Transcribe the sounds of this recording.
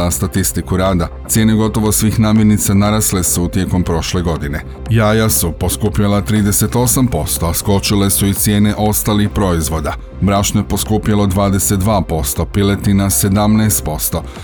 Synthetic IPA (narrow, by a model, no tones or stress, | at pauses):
ast̪at̪ist̪ikuɾaːd̪at̪sje̞ːne̞ɡo̞t̪o̞ʋo̞sʋiːxnaːmje̞ɾnit̪sanaɾasle̞sut̪je̞ko̞mpɾo̞ʃle̞ɡo̞d̪ine̞ | jaːjasupo̞skuːpʎalat̪ɾiːd̪e̞se̞t̪o̞sampo̞st̪o̞asko̞t͡ʃile̞suit̪sje̞ːne̞ʔo̞st̪alixpɾo̞izʋo̞d̪a | bɾaʃnojepo̞skuːpjalo̞d̪ʋaːd̪e̞se̞t̪̚d̪ʋaːpo̞st̪o̞pile̞t̪inase̞d̪amnɛːst̪̚po̞st̪o̞